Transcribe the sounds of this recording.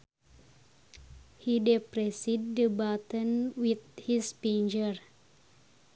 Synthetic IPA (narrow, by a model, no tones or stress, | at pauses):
hidɛpɾɛsidːəbat̪ə̃nwit̪hispind͡ʒər